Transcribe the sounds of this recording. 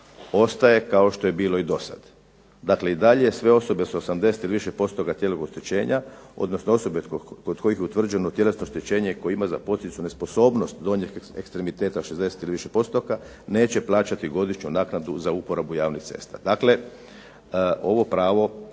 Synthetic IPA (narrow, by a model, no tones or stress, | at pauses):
o̞st̪aje̞kao̞ʃt̪o̞jebiːlo̞id̪o̞sa̰d̪̥ | d̪akle̞id̪aʎeesʋe̞o̞so̞be̞sosamd̪e̞set̪iliʋiʃepo̞st̪okat̪jeloɡost̪et͡ɕe̞ːɲao̞̰d̪no̞snoo̞so̞bekod̪ko̞jixjeut̪ʋr̩d͡ʑenot̪jele̞snooʃt̪et͡ɕe̞ːɲeko̞jimaza̰po̞t̪it̪sune̞spo̞so̞ːbno̞st̪d̪ooɲexekst̪ɾemit̪eːt̪aʃezd̪e̞set̪iliʋiʃepo̞st̪oka | ne̞ːt͡ɕe̞plˠaːt͡ʃat̪iɡo̞d̪iʃɲunaːknad̪uzaupoɾabujaːʋnixt̪se̞̰st̪a̰d̪akle̞ | o̞ʋo̞pɾaːʋo̞